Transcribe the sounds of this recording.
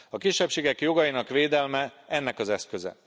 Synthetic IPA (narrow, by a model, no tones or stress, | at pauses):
ɒkiʃːɛpʃeːɡɛkjo̞ɡɒjinɒkʋeːd̪ɛlmɛɛnːɛkɒzɛskø̞zɛ̰